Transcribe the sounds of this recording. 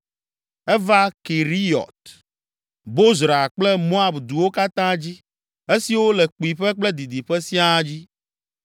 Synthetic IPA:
ɛ˦va˦ke˨ɾi˦ɔ̰˨t̪̚ | bo˦zɾa˨k͡plɛ˦mo˦a˨bd̪u˨wo˦ka˦t̪ã˦d͡ʑi˦ | e˦si˨wo˦lɛ˨k͡pu˨i˨ɸɛ˦k͡plɛ˦d̪i˨d̪i˨ɸɛ˦si˦a˦d͡ʑi˦

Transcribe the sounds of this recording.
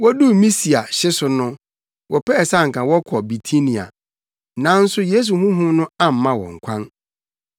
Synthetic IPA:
wɔ˦du˦mĩ˦si˨a˨ɕɪ˦sʊ˨nʊ̃˦ | wʔɔ˨pʰɛ˦ɛ˨sa˦˨ŋ̩˨kʰã˨wɔ˦kʰɔ˨bi˨tʰi˦nĩ˨a̰˨ | nã˨˦n̩˦sʊ˦je˦s̬u˨ɦũ˦ɦũ˦nʊ̃˦ã˦m̩˨mã˦wɔ̰̃˨ŋ̩˨kʷʰã˦n

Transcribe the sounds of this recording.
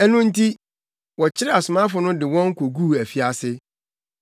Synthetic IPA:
ɛ˦nʊ̃˦n̩˦tʰi˦ | wɔ˨t͡ɕʰɪ˦ɾɛ˦a˨sʊ˨mã˦fʊ˨nʊ̃˦dɪ˨wɔ̃˦ŋ˦kʰo˨ɡuː˦˨æ˨fi˨˦a˨sɪ˦

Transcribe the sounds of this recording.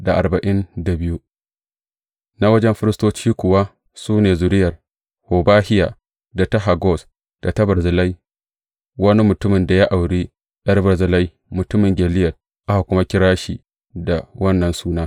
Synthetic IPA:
da˨ʔa̰˨rba˨ʔɪ˦nda˨bɪ˦ju˦ | na˦wɐ˦d͡ʒɛ˦mɸɪ˦ɾɪ˦stoː˦t͡ʃiː˦kʷʊ˨wa˦ | suː˦neː˨zʊ˨ɾɪ˦jɐ˨r | hoː˨baː˦hɪ˦ja̰ː˨ | da˨ta˦ɦa˨ɡɔ˦˨s | d̥a˨tɐ˦bɪ˨ɾzɪ˨la˦j | wɐ˦ni˦mʊ˨tʊ˦mɪ˨nda˨ja˦ʔa˨wɽiː˦ | ɗɐ˦rbɪ˨ɾzɪ˨la˦j | mʊ˨tʊ˦mɪ˨ŋɡʲɛ˨lɪ˦jɐ˨t | ʔa˦ha˨kʷʊ˦ma˦kʲɪ˦ɾaː˦ʃiː˨ | da˨wɐ˦nːɐ˨nsuː˦naː˦

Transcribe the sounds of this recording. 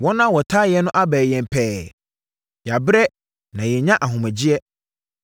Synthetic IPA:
wɔ˦nã˦wɔ˨tʰa˦jɛ˨˦nʊ̃˦ʔa˦bɛː˨jɛ̃˨m˨pʰɛː˦˨ | ja˨bɾɛ˦ | nã˨jɛ˨ɲã˦ʔa˨ɦʊ̃˨mæ̃˨d͡ʑi˦ɛ˦

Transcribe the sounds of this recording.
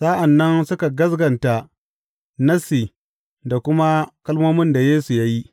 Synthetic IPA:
sa˦ʔa˨nːɐ˦nsʊ˦ka˨ɡɐ˦sɡɐ˨nta˨ | nɐ˦si˨ | da˨kʷʊ˦ma˦kɐ˦lmoː˦mɪ˦nda˨jeː˦su˨ja˦ji˦

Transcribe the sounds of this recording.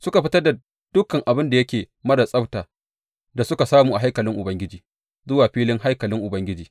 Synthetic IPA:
sʊ˦ka˨ɸɪ˦tɐ˦rda˨ | d̥ʊ˦kːɐ˨ŋʔa˨bɪ˦nda˨jɐ˦kʲeː˨ | mɐ˦da˨sʼɐ˦btaː˨ | da˨sʊ˦ka˨saː˦muː˨ʔa˨ɦa˦jkɐ˨lɪ˦ŋʔʊ˨bɐ˦ŋɡʲɪ˦d͡ʒiː˨ | zʊ˦waː˨ɸiː˦lɪ˦ŋɦa˦jkɐ˨lɪ˦ŋʔʊ˨bɐ˦ŋɡʲɪ˦d͡ʒiː˨

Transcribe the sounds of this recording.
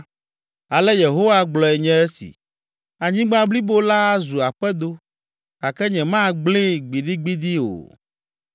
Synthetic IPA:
a˨lɛ˦je˨ɦo˦wa˦ɡ͡blɔ˨ɛ˨ɲɛ̃˦ɛ˦sḭ˨ | a˨ɲĩ˦ɡ͡bã˦bli˦bo˦la˦zu˨a˨ɸɛ˦d̪o˦ | ka˨kɛ˦ɲɛ̃˨mã˦˨ɡ͡blĩ˦ɡ͡bi˨ɖi˦ɡ͡bi˦d̪i˦o̰˨

